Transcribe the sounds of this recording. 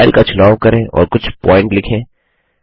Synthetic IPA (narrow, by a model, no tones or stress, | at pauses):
ɪlkat͡ʃʰʊlaːʋkɐɾẽʔɔ̰ːɾkʊt͡ʃʰpɔːɪ̃ɳʈlɪkʰẽː